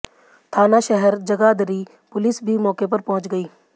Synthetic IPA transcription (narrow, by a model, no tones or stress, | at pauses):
t̪ʰaːnaʃɛɦɛɾd͡ʒɐɡaːd̪əɾi | pʊlɪːsbʱimɔːkepɐɾpɐɦʊ̃t͡ʃɡəiː